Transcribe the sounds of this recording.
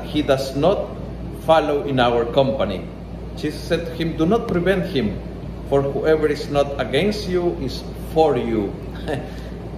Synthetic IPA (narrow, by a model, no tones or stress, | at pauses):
hid̪asnɔt̪ | falowʔĩnawəɹkɔ̃mpanḭ | ʃissɛd̪̚t̪u̥hĩmd̪unɔt̪̚pɾivɛ̃nt̪hɪ̃m | foɹhuʔɛvəɹisnɔt̪aɡɛ̃nst̪juʔɪs | foɹju